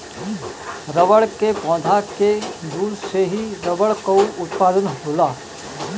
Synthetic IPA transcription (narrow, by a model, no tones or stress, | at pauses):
ɾəʋəɽkepɔ̃ːd̪ʱaked̪uːɾseɦiɾɐʋəɭkouʔʊt̪paːd̪ənɦoːlaː